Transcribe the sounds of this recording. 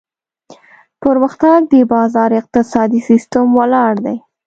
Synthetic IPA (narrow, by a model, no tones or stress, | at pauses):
pəɾməxt̪aɡ̚d̪əbɑzɑɾɪq̚t̪ɪsɑd̪isist̪əmwalɑɽd̪aj